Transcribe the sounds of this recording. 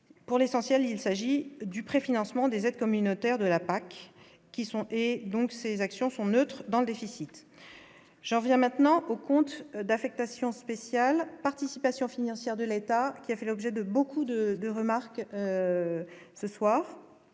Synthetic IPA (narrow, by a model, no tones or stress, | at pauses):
puʁlesɑ̃sjɛlilsaʒid̪ypχefinɑ̃smɑ̃d̪ezɛd̪kɔmynot̪ɛʁd̪əlapakː | isɔ̃ed̪ɔ̃ksezaksjɔ̃sɔ̃nøt̪χd̪ɑ̃ləd̪efisit̪ | ʒ̥ɑ̃vjɛ̃mɛ̃t̪nɑ̃ʔokɔ̃t̪d̪afɛk̚t̪asjɔ̃spesjalpaʁt̪isipasjɔ̃finɑ̃sjɛʁd̪əlet̪akʲiafɛlɔbʒɛd̪əbokud̪əd̪əʁəmaʁkø | səswaːʁ